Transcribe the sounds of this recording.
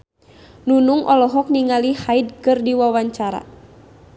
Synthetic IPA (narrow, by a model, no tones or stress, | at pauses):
nunuŋʔɔlɔɦɔk̚niŋalihaid̚kɨrdiwawaɲt͡ʃaɾa̰